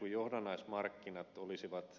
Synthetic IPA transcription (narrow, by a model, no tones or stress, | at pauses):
ujjohdɑnɑismɑrkːinɑt̪olisiʋɑt̪